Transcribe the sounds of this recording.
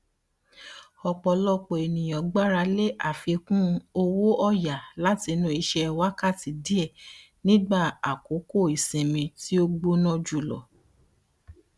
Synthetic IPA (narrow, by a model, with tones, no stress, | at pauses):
ɔ˧k͡pɔ˧lɔ˦k͡po˨e˨nĩ˨j̃ɔ̃˨ɡ͡ba˦ɾa˧le˦ʔa˦˨fe˧kũ˦˧o˧wo˦ɔ˦ja˨la˨˦ti˧nũ˦i˧ʃɛ˧wa˦ka˦˨ti˨di˦ɛ˦˨ | nĩ˦ɡ͡ba˦˨a˨ko˨˦ko˦˨i˨sẽ˨mĩ˧ti˦o˦ɡ͡bo˦nɔ̃˦d͡ʒu˦˨lɔ̰˨